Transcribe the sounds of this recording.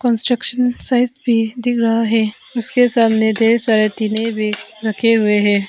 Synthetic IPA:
kɔ̃nsʈɾəkʃənsaːɪzbʱid̪ɪkʰɾɐɦaɦɛː | ʊskesaːmned̪ʱeːɾsaːɾet̪iːnebʱiɾɐkʰeɦʊeɦɛː

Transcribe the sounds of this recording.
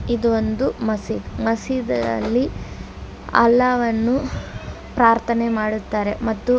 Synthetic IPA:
id̪uond̪umɐsid̪mɐsid̪ɐɐ̰lːi | ɐ̰lːaːʋɐnːu | pɾaːɾt̪ʰɐnemaːɽut̪ːaːɾemɐt̪ːu

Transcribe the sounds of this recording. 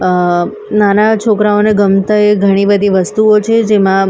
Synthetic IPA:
nanat͡ʃʰokɾaoneɡəmt̪aeɡʱəɽ̃ibəd̪ʱiʋəst̪uot͡ʃʰed͡ʒemã

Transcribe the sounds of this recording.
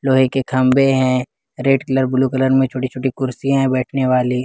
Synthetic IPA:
loːɦikekʰɐmbeɦɛ̃ | ɾeːʈkɪləɾbʊlukələɾmẽt͡ʃʰoːʈit͡ʃʰoːʈikʊɾsijãɦɛ̃bɛːʈʰneʋaːli

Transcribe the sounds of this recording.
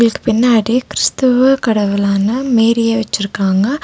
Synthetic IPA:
ŋɡɐɭɯkːɯ̥pɪnːaːɽikɪɾɪst̪ɐʋɯkɐɽɐʋɯlaːnɐmeːɾɪjeːʋɐt͡ʃːɪɾɯkːaːŋɡɐ

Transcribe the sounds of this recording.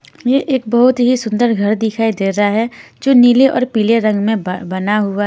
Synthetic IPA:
jeʔeːk̚bɐɦʊt̪ɦisʊ̃nd̪əɾɡʱɐɾd̪ɪkʰaːid̪eːɾaɦɛd͡ʒoːniːleʔɔ̰ːɾpiːleɾɐ̃ŋɡmẽbɐnaɦʊaɦ

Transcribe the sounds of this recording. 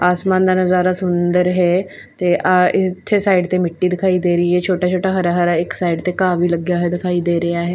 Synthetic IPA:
aːsmand̪anəzaːɾasʊnd̪əɾɦe | t̪eʔaɪt̪ʰːesaiɖt̪emɪʈːiːd̪ɪkʰaiːd̪eɾəːɦet͡ʃʰoːʈat͡ʃʰoːʈaɦəɾaɦəɾaeksaiɖt̪ekaʋiːləɡːjaɦed̪ɪkʰaiːd̪eɾeaːɦe

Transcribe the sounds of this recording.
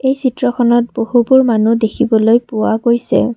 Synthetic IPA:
ejsitɹɔkʰɔnɔt̚bohubʊɹmanudekʰibɔlojpʊwaɡojsɛ̰

